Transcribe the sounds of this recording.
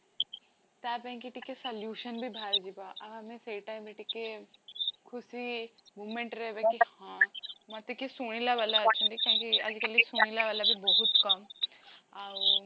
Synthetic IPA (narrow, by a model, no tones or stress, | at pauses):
t̪aːpẽŋkiʈikesɐljuːʃənbʱibʱaːld͡ʒibaʔɐbɦɐmẽseːʈaːɪmbʱiʈike | kʰʊsi | muːmẽɳʈɾɛɦbekihãmɐt̪ekisuɽ̃ilaʋaːlaɐt͡ʃʰũnd̪ikõkiɐ̰d͡ʒkeliesuɽ̃ilaʋaːlabʱibɔɦʊt̪kɐm | a